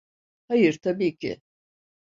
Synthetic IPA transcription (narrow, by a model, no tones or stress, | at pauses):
hajɯɾt̪ʰabiːcʰɪ̰